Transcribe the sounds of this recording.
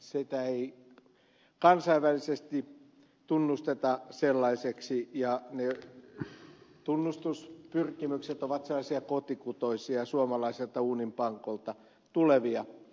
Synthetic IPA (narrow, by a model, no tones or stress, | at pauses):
sit̪æei | kɑnsɑiʋælisest̪i | t̪unːust̪et̪ɑselːɑiseksijɑne | t̪unːust̪uspyrkimykset̪oʋɑt̪selːˑɑisiɑkot̪ikut̪oisiɑsuomɑlɑiselt̪ɑuːnimpɑŋkolt̪ɑ | t̪uleʋiɑ